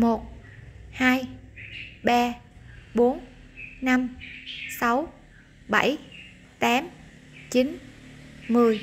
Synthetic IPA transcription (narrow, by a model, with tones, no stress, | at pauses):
mo˨˩t̚haː˧j | ɓaː˧ɓo˨˦nna˧msa˨˦w | ɓa˧˩j | t̪aː˨˦m | t͡ɕi˨˦n | mɨ˨˩əj